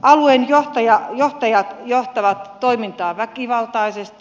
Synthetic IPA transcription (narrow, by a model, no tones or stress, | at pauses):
ʔɑluenjoht̪ɑjɑjoht̪ɑjɑt̪joht̪ɑʋɑt̪toimint̪ɑːʋækiʋɑlt̪ɑisest̪i